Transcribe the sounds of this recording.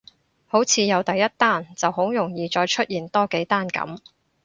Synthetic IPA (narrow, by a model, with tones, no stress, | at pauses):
ho˨˥wt͡sʰiː˨˧jɐ˨˧wt̪ɐ˨jːɐ˥t̚t̪aː˥nt͡sɐ˨who˨˥wjʊ˨˩ŋjiː˨˧t͡ʃɔː˧jt͡ʃʰɵ˥t̚jiː˨˩nt̪ɔː˥ke˨˥jt̪aː˥nkɐ̰˨˥m